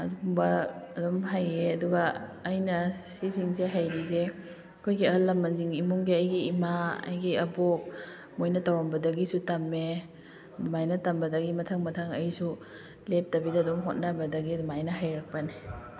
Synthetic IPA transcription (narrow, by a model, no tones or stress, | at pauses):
ɐ̰duŋbɐɐdɔmɦajeɐduɡɐːjnɐsiziŋseɦajɾize | kʰojɡiɐlːɐmːɐnziŋimuŋɡiɐjɡiːmaɐ̰jɡiɐbok̚ | mojnɐtawɾombɐdɐɡisutamːe | dumajnɐtambɐdɐɡimɐtʰaŋmɐtʰaŋɐjsu | lep̚tɐbidaːdɔmɦot̚nabɐdɐɡidumajnɐɦajɾak̚pɐni